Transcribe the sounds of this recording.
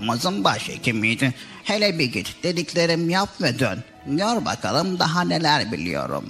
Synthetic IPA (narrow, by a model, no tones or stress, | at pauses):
mazɯmbaʃḛcʲʰimijd̪i | helʲɛbiɡit̪d̪̥ed̪iclʲeɾimjapvɛd̪ø̰n | oɾba̰kʰalˠɯmd̪aɦanelʲæɾbḭlʲḭjo̞̰ɾṵm